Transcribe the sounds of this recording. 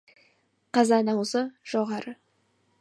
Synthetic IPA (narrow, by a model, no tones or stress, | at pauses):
qɑzɑnɑwzəʒ̥oʁɑɾə